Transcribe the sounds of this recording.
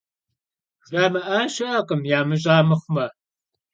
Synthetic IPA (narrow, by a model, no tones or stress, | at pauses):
ʒaːmɐʔaʃɐʔɐqʼəmjaːmɨʑʼaːmɨχʷmɐ